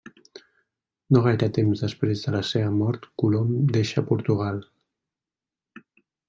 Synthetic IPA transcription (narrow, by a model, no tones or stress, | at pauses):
noɣ̞ajɾət̪emzðəspɾezðələseβəmɔɾt̪kulomd̪eʃəpuɾt̪uɣal